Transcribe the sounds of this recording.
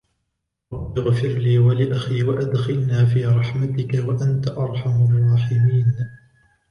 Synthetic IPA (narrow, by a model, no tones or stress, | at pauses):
ɾɑbʔaɣfɪɾliːwalɪʔaxiːwaʔad̪xɪlnaːfiːɾˤɑħmat̪ɪkawaʔant̪aʔɑɾˤħamɑrˤːɑːħɪmiːn